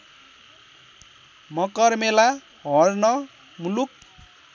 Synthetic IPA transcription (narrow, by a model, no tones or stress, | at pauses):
mʌkʌrmela | ɦʌrnʌ | muluk̚